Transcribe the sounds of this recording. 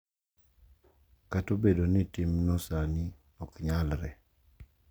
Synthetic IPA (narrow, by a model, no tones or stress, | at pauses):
katobedonɪtɪmnɔsani | ɔkɲalɾɛ